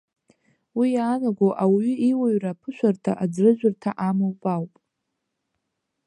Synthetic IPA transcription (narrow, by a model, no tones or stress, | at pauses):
wijaːnaɡʷowʔawɥʏiwaɥrapʰɨʃʷʰartʰa̰ʔad͡zrɨʒᶣʷʊrtʰaʔamowpʼawpʼ